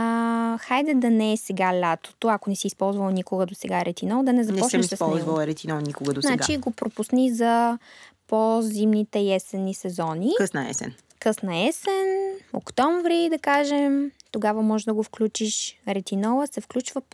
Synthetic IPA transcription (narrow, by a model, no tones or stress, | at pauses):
xajd̪ɛd̪ɐnɛːsɛɡalʲat̪o̥t̪oɐkonɛsiːspɔlˠzvɐlˠnikoɡəd̪osɛɡaɾɛt̪inɔlˠd̪ɐnɛzɐnp̪ɛɔɛɛmisɛpɔlˠzvɐlˠɾɛt̪inɔlˠnikoɡəd̪osɛaɡt͡ʃaiɡopɾopusnizɐpozimnit̪ɛjɛsɛnːisɛzɔnikɤsnɐɛ̰sɛ̰n | kɤsnɐɛsɛnno̰kt̪ɔɱvɾid̪ɐkaʒɛmt̪oɡavɐmɔʒɛd̪ɐɡofklʲut͡ʃiʃɾɛt̪inɔlˠəsɛfklʲut͡ʃvə